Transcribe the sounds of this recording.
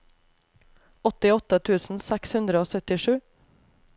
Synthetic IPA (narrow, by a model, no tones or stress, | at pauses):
ɔt̪ɪɔt̪ət̪ʰʉːsn̩sɛkshʉnd̪ɾəoːsœt̪ɪʃʉː